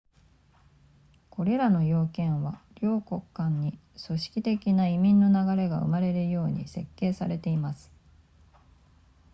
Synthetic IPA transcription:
ko̞ɾe̞ɾano̞jo̞ːkẽ̞ɰ̃βaɾʲo̞ːko̞kːãɲːi | so̞ɕi̥kʲit̪e̞kʲinaimʲĩnːo̞naɡaɾe̞ɡa̰ɯ̟̰maɾe̞ɾɯ̟jo̞ːɲ̟ḭse̞kːe̞ːsaɾe̞t̪e̞imasɨ̥

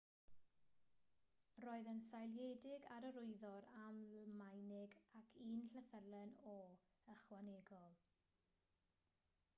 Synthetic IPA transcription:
roːɨðənsajlˠjejdɪɡaɾəɾʊɨðɔɾammajnɪɡakʰiːnɬəθərlˠɛnɔ | əχwaneɡɔlˠ

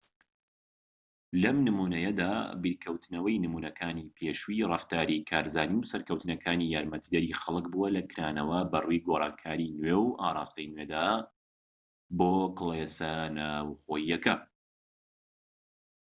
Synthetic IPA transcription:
lɐmnɨmuːnɐjɐd̪a̰ːbiɾkʰɐwt̪nɐwɐjnɨmunɐkʰaːnipʰeːʃuirˤɐft̪aːɾikʰaːɾzaːniwsɐɾkɐwt̪ɨnɐkʰaːnijaːɾmɐt̪ʰid̪ɐɾixɐlˠɨk̚buwɐlɐkʰɨɾaːnɐwɐbɐrujɡoɾˤɑːŋkʰaːɾinwewʔaːɾˤɑːst̪ɐjnwed̪a | boːkɨlˠesɐnawχoːjːɐkɐ

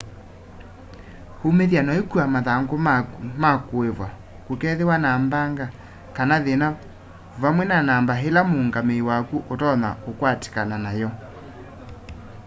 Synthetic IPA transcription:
homeðjanɔekuamaðaŋɡomakoevwa | kukɛðewanambaŋɡa | kanaðena | vamwɛnanaːmbaɦelamoŋɡameiwakuʔotɔna̰okwate̥kananajɔ

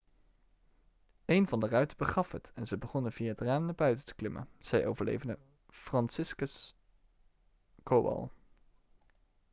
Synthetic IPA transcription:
ejnvɑndərœɥtəbəχɑfɦətɛnzəbəχɔnənviːaətraːmnaɹbœɥtəntə̥klɪmə̰nz̥ɛjʔo̰wvəɹlḛjvəndə | frɑnsɪskəs | koːwɑ̰lˠ

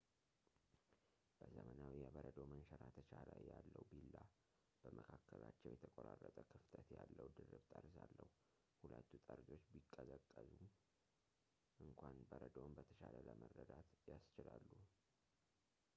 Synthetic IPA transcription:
b̥əzəmənawijɛbəɾəd̪o̞mənʃəɾat̪ʰət͡ʃʰaljalːəwubilːa | b̥əmʔəkʰakːəlat͡ʃːɛwjɛt̪ʰəkʼoɾarːət̪ʼəkʰɨft̪ʰət̪jalːəwd̪ɨrɨbt̪ʼəɾsalːəhu | hulət̪ːut̪ʼəɾd͡ʒo̞t͡ʃːbikʼːəzəkʼːəzum | ʔɨŋkʰʷanbəɾəd̪ombət̪ʰə̥ʃalələmərːəd̪at̪jast͡ʃɪlalːu

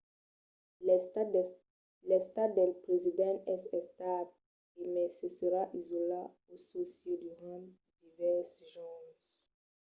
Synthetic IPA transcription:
lɛst̪at̪̚d̪ɛlpʁezid̪ãnɛsɛst̪ab̚ | emɛseseʁaʔizola | ososjed̪yʁã | d̪ivɛʁsʒɔ̃

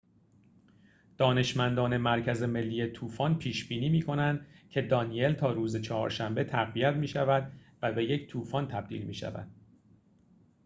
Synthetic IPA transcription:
d̪̥ɒːne̞ʃmænd̪ɒːne̞mæɾcʰæze̞me̞lːiːjet̪ʰuːfɒnpʰiːʃbiːniːmiːkʰo̞nænd̪cʰe̞d̪ɒːnie̞lt̪ʰɒːɾuːzet͡ʃʰɒhɒ̰ːɾʃæmbe̞t̪ʰæɣvijæt̪miːʃævæd̪væbe̞je̞ct̪ʰuːfɒnt̪ʰæb̚d̪ḭːlmḭːʃæ̰væ̰d̪̥̚

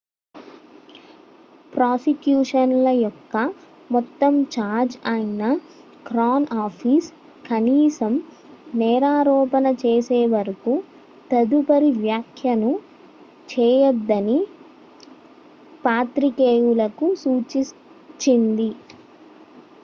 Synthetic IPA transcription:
pɾaːsikjuːʂɐnlɐjɔkːɐ | mɔt̪ːɐmt͡ʃaːɾd͡ʒɐjinɐ | kɾaːnaːpʰis | kɐniːsɐm | nɛːɾaːɾɔːpɐnɐt͡ʃeːseːʋɐɾɐku | t̪ɐd̪upɐɾiʋjaːkʰjɐnu | t͡ʃɛːjɐd̪ːɐni | paːt̪ɾikeːjulɐkusuːt͡ʃi | t͡ʃːind̪i

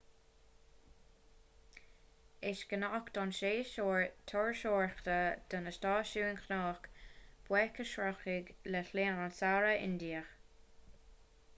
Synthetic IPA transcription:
ɪʃɡ̥ənakd̪̥ɔnʃeːʃoːɹt̪ʰɔɹʃoːɹxt̪əd̪̥ənəʃtɑːʃuːɪnkʰnɑːxkb̥wɛkəʃɹɔxɪɡləɬleːnansaɹəʔɪ̰nd̪iːəx

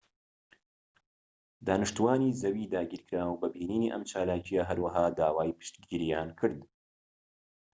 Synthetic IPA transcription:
d̪aːnɨʃt̪uwaːniːzɐwiːd̪aːɡiːɾkʰɨɾaːwbɐbiːniːniːʔɐ̰mt͡ʃaːlaːt͡ʃijaɦɐɾwɐɦaːd̪aːwaːjpɨ̥ʃt̪ɡɡiɾijaːnkʰɨɾd̪

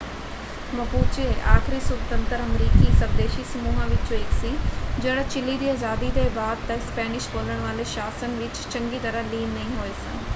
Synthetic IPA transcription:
mɐbuːt͡ɕieʔaːxɪɾisʊbt̪ə̃nt̪əɾɐmɾiːkisɐb̚d̪eːʃisɐmuːɦãʋɪt͡ɕoɪksid͡ʑɐɽ̃ɐt͡ɕɪlid̪iːazaːd̪id̪eːbaːd̪̚t̪ɐɪspɛːnɪʃboːləɽ̃ʋaːleʃaːsənʋɪt͡ɕt͡ɕɐ̃ŋɡit̪ɐɾəliːnːɐɦĩɦoːesãː

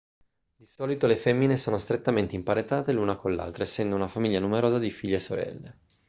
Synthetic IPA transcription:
d̪isɔːlit̪olefemːinesoːnost̪ɾet̪ːament̪eimpaɾet̪aːt̪elunakonlea̰lt̪ɾaesːɛnd̪ounafamiʎːanumeɾoːzad̪ifiʎːesoɾɛ̰lːe

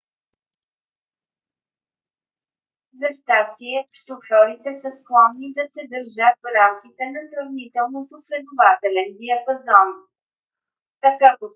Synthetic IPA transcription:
zɐʃt̪ast̪iɛ | t̪oflɔɾit̪ɛsəsklˠɔnːid̪ɐsɛd̪əɾʒət̪̚vɾamkʲit̪ɛnɐsɾɐvnit̪ɛlˠnot̪osvɛd̪ovat̪ɛlɛviɐbɐzɔn | t̪ɐkapo

